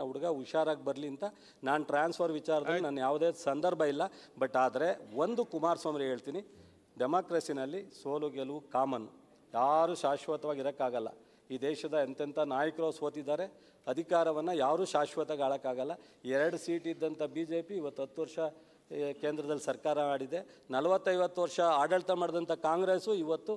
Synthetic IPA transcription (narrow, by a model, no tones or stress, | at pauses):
ɐuɽɐɡɐʋiʃaːɾaːɡ̚bɐɾliɐnt̪ɐ | naːnʈɾaːnspʰɐɾʋit͡ʃaːɾɐd̪ɐlunɐnːujaːʋud̪esɐnd̪ɐɾbʱɐilːɐbɐʈːaːd̪ɐɾe̞ʋond̪ukumaːɾsʋaːmɾeɦe̞ːɭt̪iːni | ɖemaːkɾɐsinɐlːisoːluɡeluukaːmɐnːu | jaːɾuːʃaːʃʋɐt̪ɐʋaːɡiɾɐkːaːɡɐlːɐ̰ | iːd̪ɛːʃɐd̪ɐɐnt̪ɐnt̪ʰɐnaːjɐkɾɐsoːt̪id̪ːaːɾe̞ | ɐd̪ʱikaːɾɐʋɐnːɐjaːʋɾuːʃaːʃʋɐt̪ɐɡaːɭɐkːaːɡɐlːɐ | ɛɾɐɽusiːʈid̪ːɐnt̪ʰɐbiːd͡ʒe̞ːpiːʋɐt̪ːɦɐt̪ːuʋɐɾʂɐ | keːnd̪ɾɐd̪ɐlːisɐɾkaːɾɐaːɽid̪e̞nɐlɐʋɐt̪ːɐjʋɐt̪ːuʋɐɾʂɐaːɖɐɭt̪ɐmaːɽd̪ɐnt̪ʰɐkaːŋɡɾesuiʋɐt̪ːu